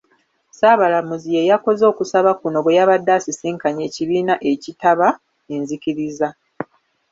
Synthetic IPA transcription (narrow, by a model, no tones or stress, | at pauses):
saːβalamuzije̞jako̞zo̞ːkusaβakuno̞βwejaβadːasisiːŋkaɲe̞ːciβiːnaʔe̞citaβa | enzikiɾiza